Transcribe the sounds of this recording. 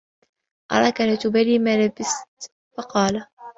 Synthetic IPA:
ʔɑ̰ɾˤɑkalat̪ʊbaliːmalabɪst̪ | fɑqɑːla

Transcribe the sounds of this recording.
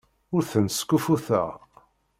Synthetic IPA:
ʊɾθənskːufuθə̰ʁ

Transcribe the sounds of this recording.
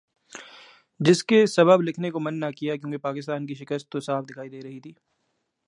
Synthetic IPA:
d͡ʒɪskesɐbəblɪkʰnekomɐnːakijak̬jõːkepaːkɪst̪aːnkiʃɪkəst̪ːosaːbd̪ɪkʰaːid̪eːɾɐɦit̪ʰiː

